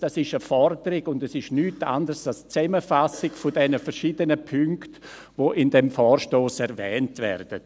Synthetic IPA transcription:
d̥asɪʃəfɔrdəɾɪɡʊndɛsɪʃnyːta̰ndərsalst͡sɛməfasɪɡfʊdɛnəfɛɾʃiːdənəpʰʏŋkt | voːʔɪndɛmfɔːɾʃtoːsɛɾvɛːntvɛ̰ɾd̥ə

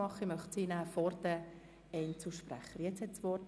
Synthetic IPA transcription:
ɑχəimœχtsiːnæːfɔɾd̪ə | ɛnt͡suʃpræχəɾjɛt͡shɛtsʋɔrt

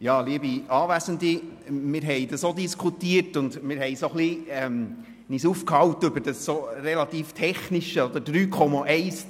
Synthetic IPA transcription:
jɑːliəbiɑːʋæzənd̪imɪːɾɦɛɪd̥̪ɑsod̪iskʰutiətʊnd̪mɪːɾɦɛɪsoχliɛm | nisuːfkhɑwtʏbəɾd̥əsːoɾɛlɑt̪iːft̪ʰɛχniʃəɔd̪əɾd̥ɾyːkʰɔmɑʔɛɪs

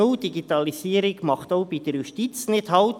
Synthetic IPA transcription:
odiɡit̪ɑlisiːəɾɪɡmɑχt̪oʊbid̥əɾjuʃtit͡snɪdhɑlt

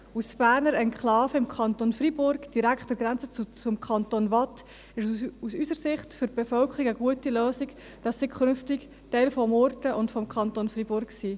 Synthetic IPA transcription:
usb̥æːɾnəɾɛnkχlɑːfəɪmkʰɑntonfribʊɾɡd̥iɾækχtd̥ɛɾɡɾænt͡sət͡st͡sʊmkʰɑntonvɑt | ɪʃusysəɾsɪχtfʏɾb̥efœlkʰəɾiɡəɡuətiløːsiɡ | d̥ɑsːiɡkχʏnftɪk | tɛɪlfɔmoɾtəʔʊntfɔmkʰχɑntonfribʊɾkksiː

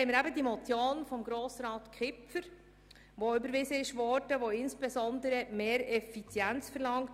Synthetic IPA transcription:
hɛɪməɾæbədimɔt͡sjoːnfɔmɡɾoːsɾɑːtkχɪpfəɾ | ʋoʏbəɾʋɪzəɪʃʋɔɾdəʋoɪnsb̥ɛzɔndəɾəmeːɾɛfit͡sjænt͡sfəɾlɑŋt

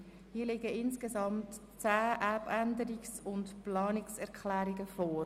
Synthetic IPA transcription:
hiːəlɪɡəɪnskesɑmt | t͡sæːʔæbænd̪əɾiksʊntplɑːnɪksɛɾkχlæːɾiɡəfɔːɾ

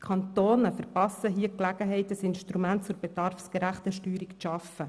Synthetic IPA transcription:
kʰɑnt̪oːnəfəɾpɑsːəɦiəklæɡəɦɛɪtəsɪnʃtɾumæntt͡sʊɾbɛd̥̪ɑrfskəɾæχt̪əʃtyːɾikʃɑfə

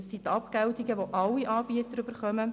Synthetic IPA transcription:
sːit̪ɑpɡ̥ɛwt̪iɡəʋoʔɑlːiʔɑːbiət̪əɾøbəɾχœmə

